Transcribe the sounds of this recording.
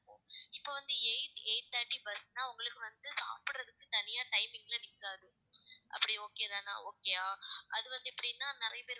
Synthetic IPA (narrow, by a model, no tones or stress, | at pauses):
pːõːɪpːoːʋɐnd̪ɯeɪʈeːʈːaːʈːibɐsnaːʊŋɡɐɭɯkːɯʋɐnd̪ɯsa̰ːpɪɽɾɐðɯkːɯt̪ɐnɪjaːʈɐɪmɪŋɡɐlɐnɪkːaːðɯ | ʔɐ̰pːɐɽioːkeːðaːnːa̰ːoːkːeːjaːʔɐðɯʋɐnd̪ɯɛpːɐɽinːãːnɪɾɐjɐpeːɾ